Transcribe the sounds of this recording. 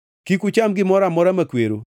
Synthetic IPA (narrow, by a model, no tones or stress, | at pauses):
kikut͡ʃamɡɪmɔɾamɔɾamakweɾo